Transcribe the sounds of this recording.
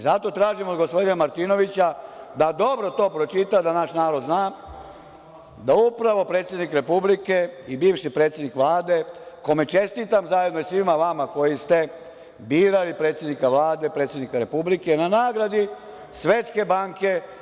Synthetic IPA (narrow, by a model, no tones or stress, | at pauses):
zat̪o̞t̪ɾaːʒimod̪ɡospo̞d̪inamaɾt̪ino̞ʋit͡ɕad̪ad̪o̞bɾo̞t̪o̞ːpɾot͡ʃit̪ad̪anaʃnaːɾo̞d̪znaː | d̪aupɾaʋo̞pɾe̞ːt̪sjed̪nikɾe̞publike̞ibiːʋʃipɾet̪sjed̪nikʋlaːd̪e̞ko̞me̞t͡ʃe̞st̪it̪amzajed̪noisʋimaʋamako̞jist̪e̞ | biːɾalipɾe̞ːt̪sjed̪nikaʋlaːd̪e̞pɾe̞ːt̪sʲjd̪nikaɾe̞publike̞nanaːɡɾad̪i | sʋe̞ːt̪ske̞baːŋke̞